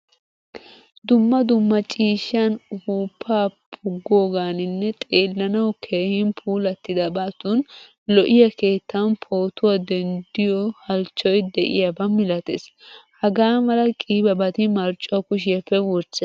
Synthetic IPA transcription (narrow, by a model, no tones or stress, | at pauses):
d̪ʊmːɐd̪ʊmːɐt͡ʃʼiːʃːɐnhuːpʰːaːpʼʰʊɡːoːɡaːnɪnːɛt̪ʼeːlːɐnɐwkʰe̞ːhɪnpʰuːlɐt̪ːɪd̪ɐbaːt̪un | lɔʔɪjɐke̞ːt̪ʰːɐnpʰo̞ːt̪ʊwad̪ɛnd̪ɪjɔhɐlt͡ʃːɔjd̪ɛʔɪ̰jɐbɐmːɪlɐt̪ḛshɐɡaːmɐlɐkʼiːbɐbɐt̪ɪmɐɾt͡ʃʼːʊɐkʊʃ̬ɪjɐpːɛwɔɾt͡ʃːɛ